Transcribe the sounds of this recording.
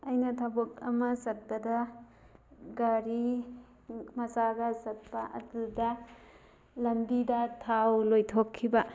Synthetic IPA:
ɐjnɐtʰɐbok̚ɐ̰mɐsɐt̚pɐdɐ | ɡaɾi | mɐsaɡɐsɐt̚pɐʔɐ̰dudɐ | lɐnbidɐtʰawlojtʰokʰːibɐ

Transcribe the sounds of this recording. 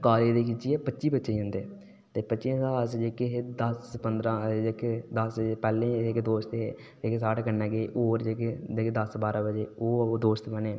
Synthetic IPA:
kaːled̪eːkɪt͡ʃiːɛːpətːʃiːbətːʃeiɦʊ̃nd̪eː | t̪eːpətːʃesaːsd͡ʒeːkeɦeːd̪əspənd̪ɾãːd͡ʒeked̪əsd͡ʒeːpɛːlẽːekd̪oːst̪eː | d͡ʒeːkesaːʈkənːɛ̃ːɡeːʔoːɾd͡ʒeːked͡ʒekd̪əsbaːɾãːbəd͡ʒeːoːd̪oːst̪bəneː

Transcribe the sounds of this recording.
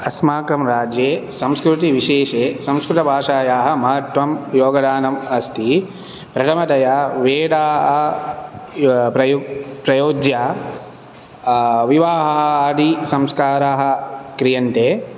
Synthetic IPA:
ɐsmaːkɐmɾaːd͡ʒjeːsɐmskɾut̪iʋiʃeːʃeːsɐmskɾut̪ɐbʱaːʂaːjaːɦɐ̆mɐɦɐt̪ʋɐmjoːɡɐd̪ʱaːnɐmɐst̪i | pɾɐʈ̪ɐmɐt̪ɐjaːʋeːɽaːɦɐ | pɾɐjpɾɐjoːd͡ʒjaː | ʋiʋaːɦɐɦɐd̪ʱisɐmskaːɾaːɦɐ̆kɾijɐnʈ̪eː

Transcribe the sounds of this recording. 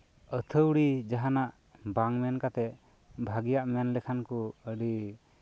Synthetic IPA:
ət̪ʰəwɽid͡ʒaɦanaʔ | baŋmɛnkat̪ɛ | bʱaɡijaʔmɛnlɛkʰankuəɽi

